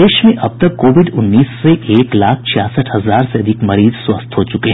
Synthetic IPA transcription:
eːʃmẽʔɐb̚t̪ɐkkːoːʋɪɖʊnːiːsːeʔeːklaːk̚ʰt͡ʃʰjaːsəʈʰhɐzaːɾseɐd̪ʱɪkmɐɾiːzswɐst̪ʰɦot͡ʃʊkeɦ

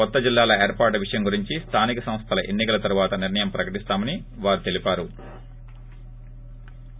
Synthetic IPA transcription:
ɔt̪ːɐd͡ʒilːaːlɐeːɾpaːɾʈʋiʂɐjɐmɡuɾiɲt͡ʃist̪ʰaːnikɐsɐm̃ɐst̪ʰɐlɐʔe̞nːikɐlɐt̪ɐɾuʋaːt̪ɐniɾɳɐjɐmpɾɐkɐʈist̪aːmɐniʋaːɾut̪e̞lipaːɾu

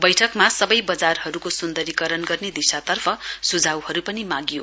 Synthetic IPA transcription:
bʌjʈʰʌkmasʌbʌjbʌd͡zarhʌɾukosund̪ʌɾikʌɾʌnɡʌrned̪isat̪ʌrpʰʌsud͡zʱawhʌɾupʌnimãɡjo

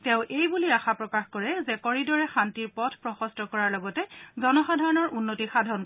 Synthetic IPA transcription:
tɛ̃ʊ̃ʔejbuliaxapɹɔkaxkɔɹɛzɛkɔɹidɔɹɛxantiɹpɔdʰʱpɹɔxɔstɔkɔɹaɹlɔɡɔtɛzɔnɔxadʱaɹɔnɔɹʔunːotixadʱaɔn

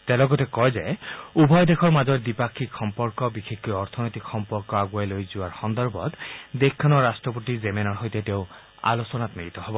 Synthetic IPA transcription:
tɛlɔɡɔtɛkɔjzɛubʱɔjdekʰɔɹmazɔɹdipakʰːikxɔmpɔɹkɔbixekkɔjɔɹt̪ʰɔnojtikxɔmpɔɹkɔaɡuajlojzʊaɹxɔndɔɹbʱɔ̰tdekʰːɔnɔɹastɹɔpotizemenɔɹɦojtɛteʊ̃ | a̰losɔnatmiɹit̪ɔhɔbɔ

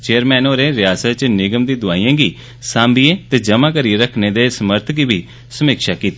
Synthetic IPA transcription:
t͡ʃeːəɾmɛːnoːɾẽːɾɪjaːsət̪t͡ʃnɪɡəmd̪iːd̪ʊaːijãːɡiː | sãːmbieːt̪eːd͡ʒəmãːkəɾieɾəkʰneːd̪eːsəməɾt̪ʰɡiːbʱiː | səmiːkʃaːkiːt̪i

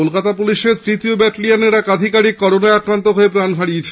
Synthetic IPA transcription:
olkat̪apuliʃeɾt̪ɾit̪iobɛʈlijaneɾakad̪ʱikaɾikkɔɾonaeakɾant̪oɦoepɾanfaɽiet͡ɕʰe

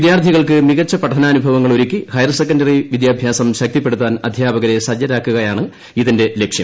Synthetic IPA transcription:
id̪jaːrt̪ʰiɣɐɭkɨmiɣɐt͡ɕːɐpɐʈʰɐnɐːnubʱɐʋɐŋːɐɭoɾikʲːihɐjɐrsekːɐndɐriʋid̪jaːbʱjaːsɐmɕɐk̚t̪ipːe̞ɽut̪ːaːnɐd̪ʱjaːbɐɣɐɾe̞sɐd͡ʑjɐɾaːkːuɣɐjaːɳɨ | iðinde̞le̞kʂjɐ̰m

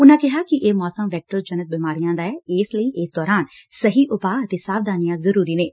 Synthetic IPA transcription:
ʊnãkɪɦakiʔeːmɔːsəmʋɛːk̚ʈəɾd͡ʒɐnət̪̚biːmaːɾijãːnd̪aːɛeːsləiʔeːsd̪ɔːɾaːnsɐɦiʔʊpaɐt̪esaːʋd̪aːnijãzɐɾuːɾineː

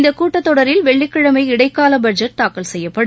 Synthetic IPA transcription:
nd̪ɐkːuːʈːɐt̪ːɔɽɐɾɪlʋɛɭːɪkːɪɻɐmɐɪɪɽɐɪkːaːlɐbɐɾd͡ʒɐʈ̚t̪aːkɐlsɛjːɐpːɐɽɯ

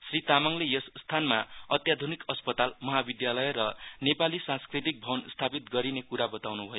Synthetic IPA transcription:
srit̪amʌŋlejʌssːt̪ʰanmaʌt̪jad̪ʱunikʌspʌt̪almʌɦabid̪jalʌjrʌnepalisãnskrit̪ik̚bʱʌwnst̪ʰapit̪̚ɡʌɾinekuɾabʌt̪awnubʱʌjo

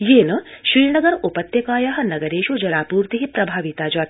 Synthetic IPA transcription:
jeːnɐʃɾiːɳɐɡɐɾupɐt̪jɐkaːjaɦɐ̆nɐɡɐɾeːʃud͡ʒɐlaːpuːɾt̪iɦipɾɐbʱaːʋit̪aːd͡ʒaːt̪

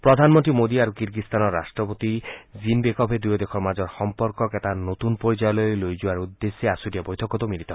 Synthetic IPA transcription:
pɾɔd̪ʱanmɔnt̪ɾimod̪iaɾukiɾɡist̪anɔɾːa̰sʈɾɔpot̪izinbekɔpʰed̪ujɔd̪ekʰɔɾmad͡ʒɔɾxɔmpɔɾkɔketanot̪unpoɾid͡ʒajɔlɔojlojd͡ʒuaɾud̪ːesːeasuɾiabojt̪ʰɔkɔt̪omiɾit̪ɔ

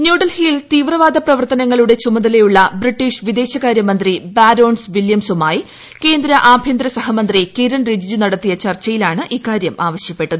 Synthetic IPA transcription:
njuːɽɐlhiːlt̪iːʋrɐʋaːd̪ʱɐprɐʋɐrt̪ɐnɐŋːɐɭuɽe̞t͡ɕumɐðɐle̞juɭːɐbriʈːiːɕʋid̪e̞ːɕɐɣaːɾjɐmɐnd̪ribaːɾo̞ːɳsʋiljɐmsumaːj | ke̞ːnd̪ɾɐʔaːbʱjend̪ɾɐsɐɦɐmɐnd̪rikiɾɐɳrid͡ʑid͡ʑunɐɽɐt̪ːijɐt͡ɕɐrt͡ɕːɐjilaːɳɨʔiːkːaːɾjɐmʔaːʋɐɕjɐpːe̞ʈːɐðɨ

